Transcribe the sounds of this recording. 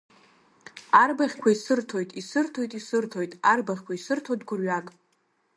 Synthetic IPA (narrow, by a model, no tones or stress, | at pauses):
arbaχʲkʷʰaisɨrtʰo̞jtʼisɨrtʰo̞jtʼisɨrtʰo̞jtʼarbaχʲkʷʰaisɨrtʰodɡʷʊrɥakʼ